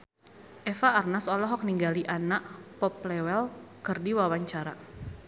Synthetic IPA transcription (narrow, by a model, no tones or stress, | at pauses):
ʔɛfaːrnasɔlɔɦɔk̚niŋɡaliʔanaʔpɔp̚lɛwɛlkɨrdiwawaɲt͡ʃaɾa